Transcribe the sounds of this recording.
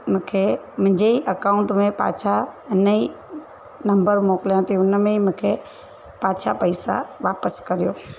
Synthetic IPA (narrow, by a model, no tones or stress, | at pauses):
mʊ̃ːkʰemʊ̃ɦɪ̃ɲd͡ʑeiʔɐkaːʊ̃ɳʈmẽpa̰ːt͡ɕʰaɪnəi | nɐ̃mbəɾmoːkɪlijãt̪ʰiʊnmẽimʊ̃ːkʰe | paːt͡ɕʰa̰pɐɪsa̰ʋaːpəskɐɾijoː